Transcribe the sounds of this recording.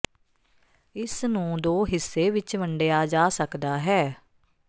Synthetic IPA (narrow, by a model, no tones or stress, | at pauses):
ɪsnũːd̪oːɦɪsːeːʋɪt͡ʃməɳɖejaːd͡ʒaːsəkd̪aːɦɛː